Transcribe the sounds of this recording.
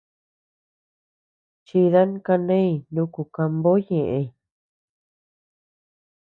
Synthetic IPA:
t͡ʃi˧ða˦n˦ka˧nẽ˦i˧˨nũ˧˦ku˧ka˧mbo˦ɲẽ˨ʔẽ˧

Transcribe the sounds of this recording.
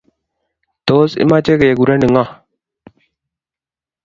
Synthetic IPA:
t̪o˨˦sɪ̰˦ma˦t͡ʃe˦ke˨jɛ˨ɡu˨ɾɛ˦nɪ˨ŋa˦˨

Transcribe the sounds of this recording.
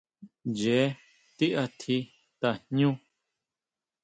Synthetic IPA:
je˨˦ | t̪i˦ʔa˧t̪ʰi˧ | t̪a˧˨ɲ̥ɲũ˦

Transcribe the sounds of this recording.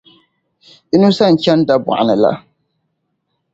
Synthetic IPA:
ɪ˦nu˦sa˦˨n̩˨t͡ʃɛ˦n˦da˦bʊ̰˨ʔa˨nɨ˨la̰˦

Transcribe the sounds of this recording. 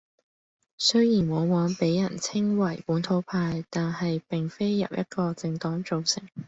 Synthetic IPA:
sɵ˥jiː˨˩nwɔː˨˧waː˨˥npe˨˥jːɐ˨˩nt͡sʰɪ˥ŋwɐ˨˩jpuː˨˥nt̪ʰo˨˥wpʰaː˧jt̪aː˨nhɐ˨jpɪ˨ŋfe˥jːɐ̰˨w̚jʔɐ̰˥t̚kɔː˧t͡sɪ˧ŋt̪ɔː˨˥ŋt͡so˨wsɪ̰˨˩ŋ

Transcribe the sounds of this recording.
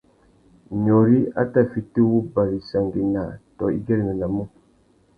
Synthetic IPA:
ɲo˨ɾi˦a̰˦ta˦fi˨ti˦wu˦ba˨ɾi˨sa˨ŋɡi˨na˨tɔ˨ḭ˦ɡɛ˦ɾi˨mi˨na˨mu˦

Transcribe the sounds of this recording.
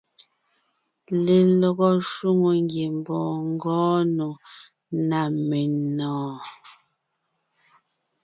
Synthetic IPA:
le˨lɔ˨ɣɔ˦ʃu˦ŋo˨ŋɡje˨m˨bɔː˨ŋ˦ɡɔː˦no˨ | na˨me˨nɔː˨

